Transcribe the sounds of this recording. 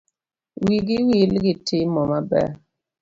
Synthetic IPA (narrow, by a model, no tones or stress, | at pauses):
wiɡɪwilɡɪtʰɪmɔmabɛ̰